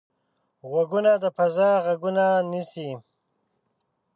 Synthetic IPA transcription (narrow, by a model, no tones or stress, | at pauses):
ɣwaɡunad̪əpazãɣaɡunanisi